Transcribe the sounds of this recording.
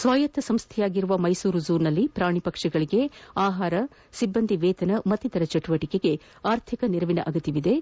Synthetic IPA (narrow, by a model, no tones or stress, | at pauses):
sʋaːjɐt̪ːɐsɐmst̪ʰɛjaːɡiɾuʋɐmɐjsuːɾud͡ʒuːɾnɐlːipɾaːɳipɐkʂɐɡɐɭiɡe̞aːɦaːɾɐ | sibːɐnd̪ʱiʋɛːt̪ɐnɐmɐt̪ːit̪ɐɾɐt͡ʃɐʈuʋɐʈikeɡe̞ | aːɾt̪ʰikɐniɾɐʋinɐ̰ʔɐɡɐt̪iʋid̪e̞